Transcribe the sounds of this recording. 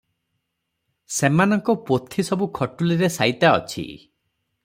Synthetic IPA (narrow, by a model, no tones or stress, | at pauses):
semanɔŋkɔpot̪ʰisɔbukʰɔʈuliɾesajt̪aɔ̰t͡ʃʰḭ